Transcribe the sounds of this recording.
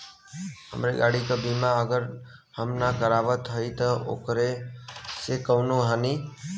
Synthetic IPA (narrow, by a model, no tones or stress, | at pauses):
ɦə̰mɾeɡaːɽikabimãəɡəɾ | həmnakəɾaːʋət̪ɦəit̪əo̰ːkɾe | sekəʊnoɦaniː